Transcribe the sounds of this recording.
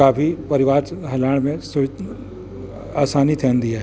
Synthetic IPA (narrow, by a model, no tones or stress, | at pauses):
aːfipɐɾɪʋaːɾɦɐlaːɽ̃mẽsʊ | aːsaːnit̪ʰɛːnd̪ijaɦ